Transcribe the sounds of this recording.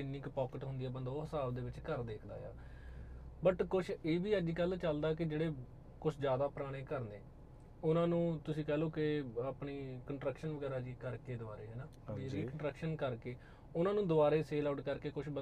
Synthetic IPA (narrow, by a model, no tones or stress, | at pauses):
ɪnĩːkpɔːkəʈɦʊnd̪iːɛːbənd̪aːɦəsaːbd̪eːʋɪt͡ʃkəɾd̪eːkʰd̪a̰ːja̰ː | bəʈkʊʃʰeːʋiːəd͡ʒiːkəlt͡ʃəld̪aːkɪd͡ʒeːɽeː | kʊt͡ʃʰd͡ʒjaːd̪aːpɾaːɽ̃eːkəɾneː | ʊnãːnũːt̪ʊsĩːkɛːloːkɪapɳiːkəɳʈɾəkʃənʋəɡɛːɾaːd͡ʒiːkəɾkeːd̪ʊbaːɾeːɦɛːnaː | ɾiːkəɳʈɾəkʃənkəɾkeː | ʊnãːnũːd̪ʊaːɾeːseːlaːɖkəɾkeːkʊt͡ʃʰbə